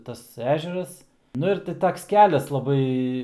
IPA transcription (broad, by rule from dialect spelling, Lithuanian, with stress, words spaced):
ˈtɐs ˈæːʒʲɛrɐs nʊ ɪr ˈtʲɪ ˈtoːks ˈkʲæːlʲɛs lˠɐˈbɐɪ